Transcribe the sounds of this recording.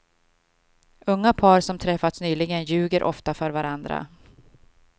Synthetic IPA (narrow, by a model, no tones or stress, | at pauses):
ɵŋːapʰɑːɾsɔmt̪ʰɾɛfːat̪snyːlɪɡənjʉ̟ːɡəɾʔɔ̰ft̪afœɾvaɾand̪ɾa̰